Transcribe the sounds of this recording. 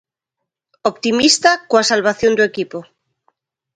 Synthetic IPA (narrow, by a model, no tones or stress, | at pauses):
opt̪imist̪akoasalβaθjond̪uekipo